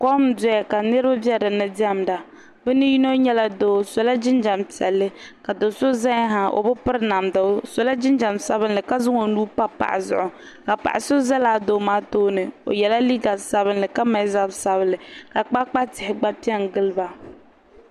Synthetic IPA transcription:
kɔ˦m˨˦dʊ˦a˨ka˨nɨ˦ɾɨ˦ba˦bi˦ɛ˦dɨ˨nɨ˦di˦a˦˨m˨da˨ | bɨ˦nɨ˦ji˦no˦ɲɛ˦la˦doː˦so˨la˦d͡ʒɪ˦nd͡ʒa˨mtɛ̰˨lːɨ˦ka˨do˨so˦za˦ɲ˦ɦa˨o̰˨bʊ˦pɨ˦ɾna˨mda˨˦so˨la˦d͡ʒɪ˦nd͡ʒa˨msa˦bɨ˦nlɨ˨ka˦zʊ˦ŋo˨nuː˦pa˦pa̰˨ʔɪ̰˨zʊ̰˨ʔʊ˨ | ka˨pa̰˨ʔɪ˨so˦za˦laː˦do˨˦maː˨˦toː˦nɨ˨o̰˨jɛ˨la˦li˦ɡa˨sa˦βɨ˦nlɨ˨ka˦ma˨˦za˦bsa˨βɨ˦lɨ˨ka˨k͡pa˦k͡pa˦tɪ˨hɪ˨ɡ͡ba˦pi˦ɛ˦nɡɨ˦lɨ˦ba˨

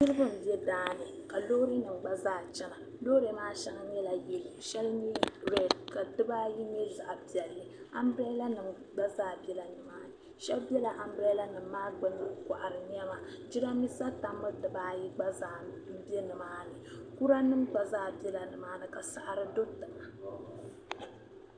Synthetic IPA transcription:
ɲi˦ɾɨ˦bɨ˦m̩˨bi˦ɛ˦daː˦nɨ˨ka˨loː˦ɾe˦nɨ˨mɡ͡ba˦zaː˦˨t͡ʃɛ˦na˨loː˦ɾe˨maː˦ʃɛ˦ŋa˦ɲ˦ɛ˦la˨jɛ˦lɨ˨ʃɛ˦lɲi˦ɾɛ˨dka˨dɨ˦baː˦ji˦ɲɛ˦za˨ʔpi˨ɛ˨lːɨ˨ | a˨mbɾɛ˦la˦nɨ˨m | ɡ͡ba˦zaː˦˨bɛ˦la˨ɲi˨maː˦nɨ˨ | ʃɛ˦lbjɛ˦la˨ʔa˨m˦bɾɛ˦jla˦nɨ˨mː˦aː˦ɡ͡bɨ˨˦nɨ˦kʷa˨ʔa˨ɾɨ˨ɲ˦ɛ˦ma˨d͡ʒi˦ɾa˦mi˦sa˦ta˨mːɨ˦dɨ˨baː˦ji˦ɡ͡ba˦zaː˦ | m̩˦bɛ˦nɨ˨maː˦nɨ˨ku˦ɾa˦nɨ˦mɡ͡ba˨zaː˦bi˦ɛ˦la˨nɨ˨maː˦nɨ˨ka˨sa˨ʔɾɨ˦do˦tɨ˨ma˨

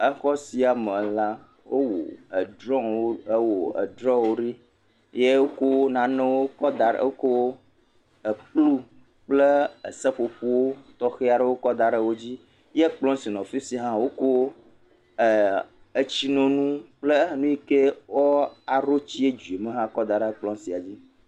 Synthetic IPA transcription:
ə˦xɔ˦si˦a˨me˨la˦ | wo˦wo̰˨ə˨d̪ɾɔ̃˦wo˦wo˨ə̰˨d̪ɾɔ̃˦wo˦ɖi˦ | je˦wo˦ko˦wo˦nã˨nɛ̃˦wo˦kɔ˦d̪a̰˨o˦ko˦wo˦ | ə˨k͡plu˦ | k͡plə˦ə˨sɛ˦ɸo˨ɸo˦wo˦t̪ɔ˦xe˦a˨ɖə˦wo˦kɔ˦d̪a˨ɖə˨wo˦d͡ʑi˦ | je˦k͡plɔ̃˦si˨nɔ̃˨fi˦si˨ɦã˦wo˦ko˦˨ | e˦t͡ɕi˦nɔ̃˦nũ˦k͡ple˦˨nũ˦ji˦ke˦wɔ˦a˨ɾo˦t͡ɕi˦e˦d͡ʒu˨e˨mẽ˦ɦã˦kɔ˦d̪a˨ɖə˦k͡plɔ̃˦si˨a˨d͡ʑi˦

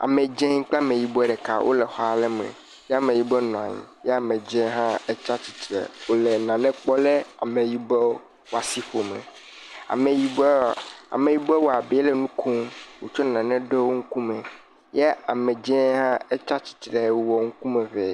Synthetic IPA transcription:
a̰˨mɛ̃˨d͡ʒɛ̃˦ŋ̩˦k͡pmẽ˨ji˨bɔ˦˨ɖɛ˨ka̰˨wʔo̰˦lɛ˨xɔ˦a˨lɛ˦mɛ̰̃˨ | jɛ˦a˦mẽ˨ji˦bɔ˦nɔ̃˨ã̰˨ɲḭ̃˨jɛ˦a˨mɛ̃˨d͡ʒɛ̃˦ɦã˦ɛ˦t͡ʃa˦t͡ɕi̥˨t̪ɾɛ̰˨wo˦lɛ˨nã˨nɛ̃˦k͡pɔ˦lɛ˦a˨mɛ̃˨ji˦bɛ˦ | wo˦a˨si˦ɸo˨mɛ̰̃˨ | a̰˨mẽ˨ji˦a̰˨me˨ji˦bɛ˦wɔ˦a˨bɛ˨˦ɛ˦lɛ˨nũ˦kʰo˦mwo˨t͡ʃɔ˦nã˨nɛ̃˦ɖe˦wo˦ŋ̩˦ku˦mɛ̃˨ | jɛ˦a˨mɛ̃˨d͡ʒɛ̃˦ɦã˦ɛ˦t͡ʃa˦t͡ɕi̥˨t̪ɾɛ˦wɔ˨ŋ̩˦ku˦mɛ̃˨vɛ˨

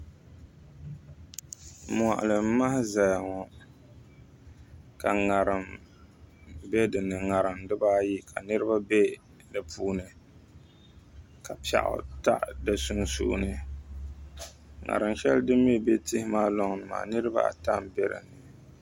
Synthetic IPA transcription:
m˨a̰˨ʔa̰˨lɨ˨˦ma˦hɪ˦za˨jŋɔ˨ | ka˨ŋa˨ɾɨ˨m | bɛ˦dɨ˨nːɨ˨ŋa˨ɾɨ˨mdɨ˦baː˦ji˦kʰa˨nɨ˦ɾɨ˦ba˦bɛ˦ | nɨ˨pʰuː˦nɨ˨ | ka˨pa̰˨ʔʊ̰˦ta̰˦ʔda˨su˦ŋ˦sṵ˦ʔnɨ˨ | ŋa̰˨ɾɨ˨mʃɛ˦ldɨ˦me˦be˦tɪ˦hɪ˦maː˦lɔ˦ŋ˨nɨ˨ma̰ː˨nɨ˦ɾɨ˦ba̰˦a̰˨ta˦mbɛ˨ɾɨ̰˨nɨ˨

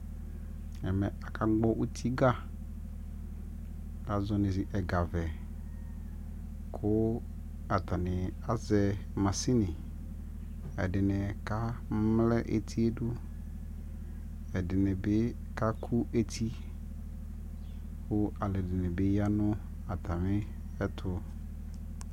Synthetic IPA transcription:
ɛ˨mɛ˨a˨ka˦ɡ͡bɔ˦ʔu˦t̪ʰi˦ɡa˦ | a˨zɔ˨nɪ̃˨zɪ˨ʔɛ˨ɡa˨vɛ˨ | kʰʊ˦ | a˨t̪a˨nɪ˨a˨zɛ˨mã˨si˦nɪ̃˨ | ɛ˨dɪ˨nɛ̃˨ka˦m̩˦mlɛ˦ʔḛ˨t̪ʰi˦e˦dʊ˦ | ɛ˨dɪ˨nɪ̃˨bɪ˦ | ka˦kʰu˦e˦tʰi˦ | wʊ˦a˨lɛ˨dɪ˨nɪ̃˨bɪ˦ja˦nʊ̃˦ | a˨tʰa˨mɪ˦ | ɛ˦tʰʊ˦

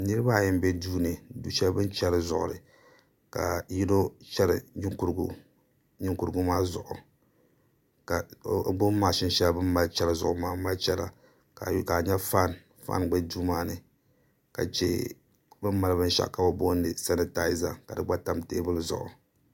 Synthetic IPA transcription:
nɨ˦ɾɨ˦ba˦˨jɪ˦mbɛ˦duː˦nɨ˨du˨ʃɛ˦bɨ˦nt͡ʃɛ˦ɾɨ˨zʊ̰˨ʔʊ̰˨ɾɨ˨ | ka̰˨ji˦do˦t͡ʃɛ˦ɾɨ̰˨ɲ˦ŋku˦ɾɡ | ɲɪ˦ŋku˨ɾɨ˦ɡʊ˦maː˦zʊ̰˨ʔʊ˨ | ka˨˦bo˦maː˨ʃɪ˦n˦ʃɛ˦lbɨ˦m˦ma˦lt͡ʃɛ˦lɨ˦zʊ̰˨ʔʊ˨maː˦ma˦t͡ʃɛ˦la̰˨ | a˨ka˨ɲɛ˦fa˦n | fa̰˦nɡ͡bɛ˦duː˦maː˦nɨ˨ | ka̰˨t͡ʃɛ̰˦ | bɨ˦mma˨lɨ˦bɨ˦n˦ʃa̰˦ka˨bo˦bo˦nɨ˨sa˦nɨ˦ta˦ɪ˦za˨ka˨dɨ˨ɡ͡ba˦ta˦mte˦bɨ˦lɨ˦zʊ̰˨ʔʊ˨

